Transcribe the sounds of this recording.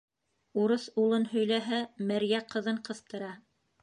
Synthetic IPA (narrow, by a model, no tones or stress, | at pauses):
uɾɤsulˠɤnɦɵ̆jlæɦæmæɾjæqɤ̆ðɤɴqɤ̆θt̪ɤ̆ɾɑ